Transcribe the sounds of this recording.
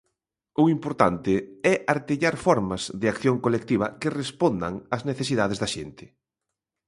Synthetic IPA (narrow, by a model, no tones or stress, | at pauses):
ʊimpoɾt̪ant̪ɪɛʔaɾt̪eʎaɾfɔɾmɐzðɪakθjoŋkolek̚t̪iβ̞ɐkɪrespond̪ɐ̰ŋɐzneθesiðaðezðɐʃent̪ɪ̥